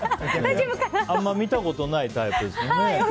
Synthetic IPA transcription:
ibɯkanamːamʲit̪ako̞t̪o̞nait̪aipɯ̟d̪esne

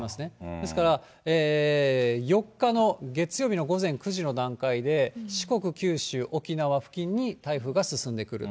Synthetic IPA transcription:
masɨne̞d̪e̞sɨ̥kaɾa | eː | jo̞kːano̞ɡe̞t͡sɨjo̞ːbino̞ɡo̞zẽ̞ŋkɯ̟ʑino̞d̪ãŋkaid̪e̞ɕi̥ko̞kɯ̟kʲɨːɕɨːʔo̞kʲinaβaɸɯ̟̥kʲĩɲ̟ːit̪aiɸɯ̟ɡasɨsɨ̃nd̪e̞kɯ̟ɾɯ̰

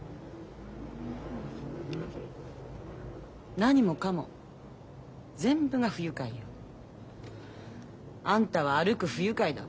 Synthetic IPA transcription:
naɲ̟imo̞kamo̞̰ | zẽ̞mbɯ̟ɡaɸɯ̟jɯ̟kaio | ãnt̪aβ̞aːɾɯ̟kɯ̟ɸɯ̟jɯ̟kaid̪a̰

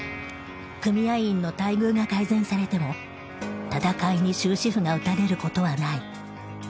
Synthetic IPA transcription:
kɯ̟mʲiaĩnːo̞t̪aiɡɯ̟ːɡakaizẽ̞ɰ̃saɾe̞t̪e̞mo̞ | t̪at̪akaiɲ̟iɕɨːɕiɸɯ̟ɡaɯ̟t̪aɾe̞ɾɯ̟ko̞t̪o̞βanai

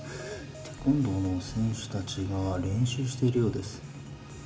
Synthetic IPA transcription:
t̪ʰe̞̥kõnd̪o̞ːno̞sẽ̞ɰ̃ɕɨ̥t̪at͡ɕiɡaɾẽ̞ɰ̃ɕɨːɕi̥t̪e̞iɾɯ̟jo̞ːd̪e̞sɨ̥

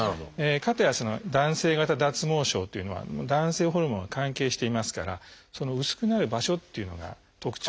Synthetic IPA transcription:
aekat̪ajaso̞no̞̰d̪ãɰ̃se̞ːɡat̪ad̪at͡sɨmo̞ːɕo̞ːt̪ːeiɯ̟no̞a̰d̪ãɰ̃se̞ːɦo̞ɾɯ̟mõɰ̃ŋɡakãŋke̞ːɕi̥t̪e̞imasɨ̥ka̰ɾa̰ | so̞no̞ɯ̟sɨ̥kɯ̟naɾɯ̟baɕo̞t̪ːe̞iɯ̟no̞̰ɡa̰ | t̪o̞kɯ̟̥t͡ɕ

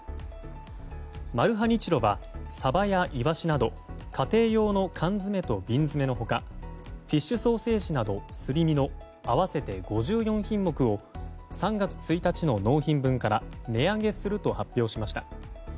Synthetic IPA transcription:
maɾɯ̟ɦaɲ̟it͡ɕiɾo̞βasabajaʔiβaɕinad̪o̞ | kʰat̪e̞ːjo̞ːno̞kʰãnzɨme̞t̪o̞bʲĩnd͡zɨme̞no̞ɦo̞kaɸʲiɕːɨso̞ːse̞ːɕinad̪o̞sɨɾʲimʲino̞ | aβase̞t̪e̞ɡo̞ʑɨːjõ̞ɰ̃çĩmːo̞kɯ̟o̞sãŋɡat͡sɨ̥t͡sɨit̪at͡ɕino̞no̞ːçĩmbɯ̟̃ŋkaɾane̞ãŋɡe̞sɨɾɯ̟t̪o̞hapʲːjo̞ːɕimaɕi̥t̪ḁ

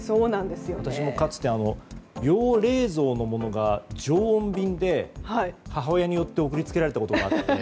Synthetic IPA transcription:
soːnãnd̪esɨjoat̪aɕimo̞kat͡sɨ̥t̪ːe̞ano̞jo̞ːɾe̞ːzo̞ːno̞mo̞no̞ɡad͡ʑo̞ːõmbʲĩnd̪e̞haihaɦaojaɲ̟ijo̞t̪ːe̞o̞kɯ̟ɾʲit͡sɨ̥ke̞ɾaɾe̞t̪akot̪oɡaːt̪ːe

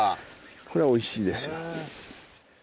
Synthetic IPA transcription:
akʰo̞ɾe̞βao̞iɕiːd̪e̞sɨjo

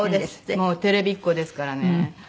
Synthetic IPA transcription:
oːd̪esɨ̥mo̞ːt̪e̞ɾe̞bʲikːo̞d̪e̞sɨ̥kaɾane

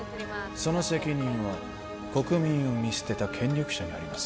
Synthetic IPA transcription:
so̞no̞se̞kʲiɲ̟ĩɰ̃βa | ko̞kɯ̟mʲĩɰ̃o̞mʲise̥t̪e̞t̪akʰẽ̞ɲɾʲokɯ̟̥ɕaɲ̟ia̰ɾʲimas

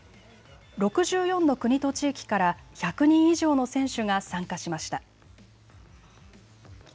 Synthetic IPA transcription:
ɾo̞kɯ̟ʑɨːjõ̞nːo̞kɯ̟ɲ̟it̪o̞t͡ɕiːkʲi̥kaɾaçakɯ̟ɲ̟ĩɰ̃iʑo̞ːno̞sẽ̞ɰ̃ɕɨɡasãŋkaɕimaɕi̥t̪a

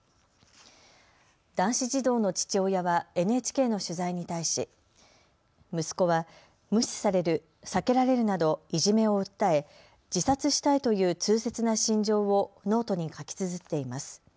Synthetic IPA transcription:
d̪̥ãɰ̃ɕiʑid̪o̞ːno̞t͡ɕi̥t͡ɕo̞ːjaβae̞nɯe̞ːt͡ɕi̥ke̞ːno̞ɕɨzaiɲ̟it̪aiɕi | mɯ̟sɨ̥ko̞βa | mɯ̟ɕi̥saɾe̞ɾɯ̟ | sake̞ɾaɾe̞ɾɯ̟nad̪o̞iʑime̞o̞ɯ̟t̪ːae̞ | d͡ʑisat͡sɨɕi̥t̪ait̪o̞jɯ̟ːt͡sɨːse̞t͡sɨnaɕĩɲ̟d͡ʑo̞ːβo̞no̞ːt̪o̞ɲ̟ikakʲi̥t͡sɨzɨt̪ːe̞imasɨ̥

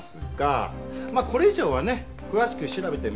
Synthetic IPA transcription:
sɨɡ̥a̰maːko̞ɾe̞iʑo̞ːβ̞ane̞ | kɯ̟βaɕi̥kɯ̟ɕiɾabe̞t̪e̞m

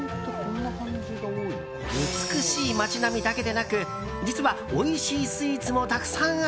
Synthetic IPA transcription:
t̪okõ̞nːahãɲd͡ʑɨɡaoːi | ɯ̟t͡sɨ̥kɯ̟ɕiːmat͡ɕinamʲid̪ake̞d̪e̞nakɯ̟ | d͡ʑit͡sɨβa | oiɕiːsɨiːt͡sɨmo̞t̪akɯ̟̥sãɰ̃

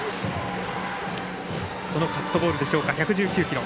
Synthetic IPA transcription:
so̞no̞kat̪ːo̞bo̞ːɾɯ̟d̪e̞ɕo̞ːkaçʲakɯ̟ʑɨːkʲɨːkʲiɾo̞

